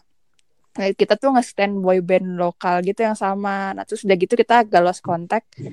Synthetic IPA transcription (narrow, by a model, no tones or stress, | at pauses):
kit̪at̪uŋast̪ɛnbɔjbɛnlokalɡit̪ujaŋsamana̰t̪ɾʊsdaɡit̪ukit̪aɡaloaskɔnt̪ɛk̚